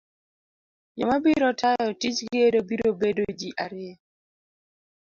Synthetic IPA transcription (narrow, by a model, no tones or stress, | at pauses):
jɔ̰mabiɾɔtʰajɔtit͡ʃɡedobiɾobedod͡ʒiʔaɾɪɛ